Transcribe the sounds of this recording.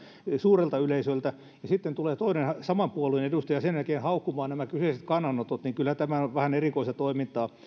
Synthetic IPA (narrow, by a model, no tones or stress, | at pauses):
suːrelt̪ɑyleisølt̪æ | jɑsit̪ːent̪uleːt̪oinensɑmɑmpuoluenedust̪ɑjɑsenjælkeːnhɑukːumɑːnnæmækyseˑiset̪kɑnːɑnːot̪ot̪niŋkylhæt̪æmænoʋʋæhænerikoist̪ɑt̪oimint̪ˑɑː